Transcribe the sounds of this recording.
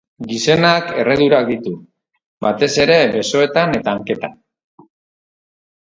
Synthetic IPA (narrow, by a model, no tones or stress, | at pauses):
ɡise̞nake̞re̞ðuɾak̚d̪it̪u | bat̪e̞se̞ɾe̞βe̞so̞e̞t̪ane̞t̪aːŋke̞t̪an